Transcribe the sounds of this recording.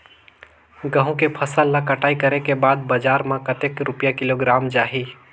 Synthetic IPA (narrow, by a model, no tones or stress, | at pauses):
ɡə̃ɦũkepʰəsəlːãkəʈʰaːikɐɾekebaːd̪̚bəd͡ʒaːɾmãkət̪eːkɾʊpjakɪloɡɾaːmd͡ʒaːɦiː